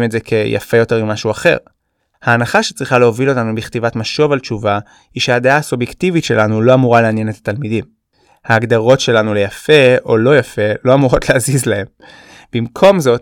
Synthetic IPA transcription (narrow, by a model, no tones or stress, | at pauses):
metzekʰe̞ja̰fe̞jo̞te̞ʁimːaʃuaχe̞̰ʁ | haːnaχaʃe̥t͡sʁiχale̞o̞vilo̞tanubiχt̪ivatmaʃo̞valt͡ʃuva | hiʃehadeaːsubjektivitʃe̞lanulo̞amuʁaleanje̞netḁt̪almidim | haːɡd̪aʁo̞tʃe̞lanule̞jafe̞o̞lo̞jafe̞lo̞amuʁo̞tleazizlahe̞m | b̥imkʰo̞mzo̞t̚